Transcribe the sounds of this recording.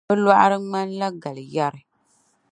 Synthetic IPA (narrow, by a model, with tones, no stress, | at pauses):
ɨ˦la˦ʔa˦ɾɨ˦ma˦n˦la˦ɡa˨lɨ˨ja˦ɾɨ˦